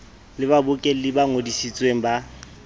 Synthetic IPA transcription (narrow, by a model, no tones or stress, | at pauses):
lɪbabʊkʼel̩lɪbaŋodisit͡sʼweŋ̩ba